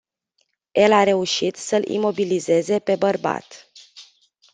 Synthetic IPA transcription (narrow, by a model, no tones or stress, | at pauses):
je̞laɾe̞uʃit̪səlḭmo̞bilize̞ze̞pe̞bərba̰t̪